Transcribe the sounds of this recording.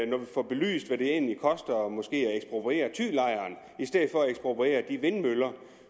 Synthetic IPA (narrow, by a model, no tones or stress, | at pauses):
nɒʋifɒb̥e̝ly̰ːsd̥ʋæɾ̥e̝e̝nlikʰɒ̽sd̥ɐmɒ̽sɡ̥e̝̰ːæeɡsb̥ʁo̝pʰʁie̝̰ːɐt͡sʰy̰ːlɑ̈ɪɐːn | isd̥eð̰̩ˠfɒ̽æeɡsb̥ʁopʰʁie̝̰ːɐd̥iʋe̝nmølɐ